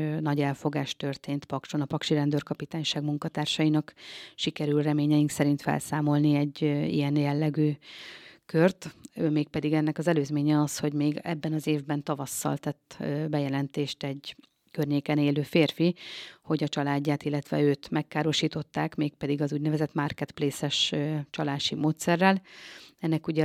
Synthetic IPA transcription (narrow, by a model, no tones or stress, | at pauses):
nɒɟɛlfo̞ɡaːʃt̪ø̞rt̪eːnt̪pɒkʃonɒpɒkʃiɾɛnd̪ørkɒpit̪aːɲʃaːɡmuŋkɒt̪aːrʃɒjinɒkʃikɛɾylrɛmeːɲɛjiŋksɛɾint̪fɛ̰lsaːmo̞lniɛɟːḭjɛnjɛlːɛɡyː | kørt̪øːmeːk̚pɛd̪iɡɛnːɛkɒzɛløːzmeːɲɛɒsho̞ɟmeːɡɛ̰bːɛnɒzeːvbɛnt̪ɒvɒsːɒ̰lt̪ɛt̪ːbɛjɛlɛnt̪eːʃt̪ɛɟ | kørɲeːkɛneːløːfeːrfiho̞ɟɒt͡ʃɒlaːɟːaːt̪ilːɛt̪ʋɛ̰øːt̪mɛkːaːɾo̞ʃiːt̪o̞t̪ːaːkmeːk̚pɛd̪iɡɒzuːɟnɛvɛzɛt̪markɛt̪pleːsɛʃøt͡ʃɒlaːʃimoːt̪sɛrːɛlɛnːɛkuɟɛ